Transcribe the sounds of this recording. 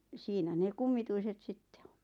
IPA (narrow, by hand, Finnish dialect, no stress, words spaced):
siːnæ ne kumːituiset sitːe o̥n̥